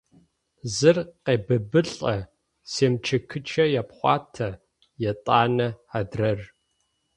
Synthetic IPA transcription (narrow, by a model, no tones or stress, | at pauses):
zɨrqeːbɐbɨɬʼɐ | seːmt͡ʃʰɐkʰɨt͡ʃʰɐjapχʷɑːtʰɐ | jɛtʼaːnɐadrɐr